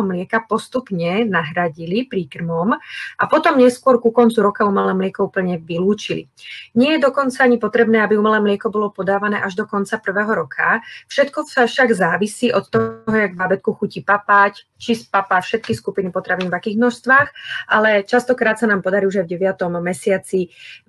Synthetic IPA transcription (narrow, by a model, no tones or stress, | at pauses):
ɔmlɪɛkapɔst̪upɲɛnaɦɾaɟilipɾikr̩mɔmʔapɔt̪ɔmɲɛskʊɔɾkukɔnt͡suɾɔkaumɛlɛːmlɪɛkɔupl̩ɲɛʋiluːt͡ʃilḭ | ɲɪɛjɛd̪ɔkɔnt͡saaɲipɔt̪ɾɛbnɛːabiumɛlɛːmlɪɛkɔbɔlɔpɔd̪aːʋanɛ̰ːʔaʒd̪ɔkɔnt͡sapr̩ʋɛːɦɔɾɔkʰafʃɛt̪kɔsaʃaɡzaːʋisiːʔɔt̪t̪ɔɦɔjaɡbabɛt̪̚kuxucipapact͡ʃispapafʃɛt̪kiskupinipɔt̪ɾaʋiːnvakiːɣmnɔʃst̪ʋaːxʔalɛt͡ʃast̪ɔkɾaːt̪sanaːmpɔd̪aɾiuʒajvɟɛʋɪat̪ɔmːɛsɪat͡si